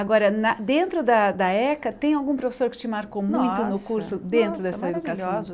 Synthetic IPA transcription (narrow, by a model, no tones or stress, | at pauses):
aɡɔɾɐnɐd̪ẽnt̪ɾʊd̪ɐd̪ɐɛkɐt̪ẽj̃awɡũpɾofe̥soɾkɪ̥t͡ʃɪmaɾkomũj̃t̪ʊnʊkuɾsʊd̪ẽnt̪ɾʊd̪ɛsɐed̪ukasɐ̃